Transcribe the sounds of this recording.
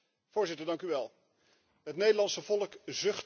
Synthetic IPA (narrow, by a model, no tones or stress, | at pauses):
v̥ʊːɹzɪtəɹdɑŋkyʋɛlˠ | ɦətnejdəlɑnsəvɔlˠəkzɵχt